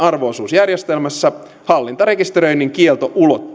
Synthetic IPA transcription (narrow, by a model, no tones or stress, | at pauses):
ɑrʋoˑsuːsjærjest̪elmæsːæ | hɑlːint̪ɑɾe̞kist̪eɾø̞jniŋkielt̪o̞ʔulot̪ː